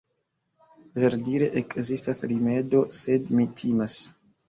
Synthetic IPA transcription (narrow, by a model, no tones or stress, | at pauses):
veɾdiɾe̞ʔekzistasɾime̞do̞se̞dmitʰimas